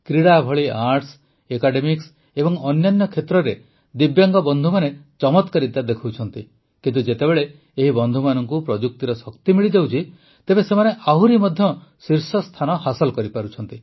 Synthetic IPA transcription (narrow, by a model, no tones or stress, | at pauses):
kɾiɽabʱɔɭiaɾʈs | ekaɖemiks | ebɔŋɔnjanːɔkʰet̪ɾɔɾe | d̪ibjaŋɡɔbɔnd̪ʱumanet͡ʃɔmɔt̪kaɾit̪ad̪ekʰwt͡ʃʰɔnt̪i | kint̪ud͡ʒet̪ebeɭe | eɦibɔnd̪ʱumanɔŋkupɾɔd͡ʒuk̚t̪iɾɔsɔkt̪imiɭid͡ʒawt͡ʃʰi | t̪ebesemaneʔaɦuɾimɔd̪ʱjɔsiɾsɔst̪ʰanɔhasɔlɔkɔɾipaɾut͡ʃʰɔnt̪i